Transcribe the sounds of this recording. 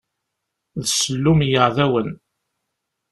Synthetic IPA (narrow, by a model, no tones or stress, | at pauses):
ðsəlːumjəʕðæwən